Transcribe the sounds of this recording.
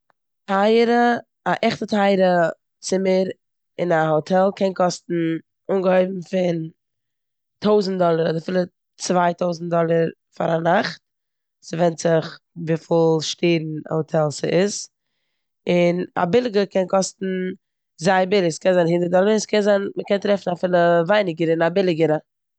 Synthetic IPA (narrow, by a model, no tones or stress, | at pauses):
tʰaɪɾə | aʔɛχtətʰaɪɾə | t͡sɪməɾ | ɪnahotʰɛlˠkʰɛnkɔstn̩ | unɡəhɔɪbm̩fɪn | tʰoʊzn̩t̚dɔlˠəɾɔdəɾfɪlˠə | t͡svaɪtʰoʊzn̩t̚dɔlˠəɾ | fa̰ɾanaχt | sɪvɛntz̥ɪχ | viːfɪlˠʃteːɾn̩a̰hɔtʰɛlˠsɪɪs | ɪna̰bɪlˠɪɡəkʰɛnkʰɔstn̩ | zaɪbɪlˠɪkskɛnzaɪnhɪndəɾt̚dɔlˠəɾskʰɛnzaɪnməkɛntɾɛfn̩afɪlˠəvaɪnɪɡəɾɪnabɪlˠɪɡəɾə